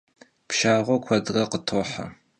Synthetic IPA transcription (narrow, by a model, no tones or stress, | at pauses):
pʃaːʁʷɔkʷʰɐdrɐqətʰoħa̰